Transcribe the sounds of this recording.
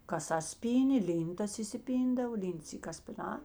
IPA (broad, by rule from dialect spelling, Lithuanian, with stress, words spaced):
kɐˈsɐs ˈpʲiːnʲeː ˈlʲiːntɐs ɪsʲɪˈpʲiːndɐw ˈlʲɪnts ˈiː kɐsʲpʲɪˈnɑː